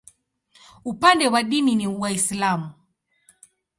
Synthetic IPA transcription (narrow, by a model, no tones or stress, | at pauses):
upandɛwaɗininiuwaislamu